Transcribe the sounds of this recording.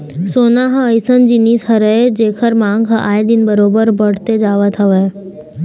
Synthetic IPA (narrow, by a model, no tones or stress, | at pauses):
soːnaɦɐ̃ɐjsənd͡ʒinisɦɐɾəed͡ʒeːkʰəɾmãːŋɡɦʔa̰ːed̪ɪnbɐɾoːbəɾbɐɽ̤t̪ed͡ʒaːʋət̪ɦɐʋe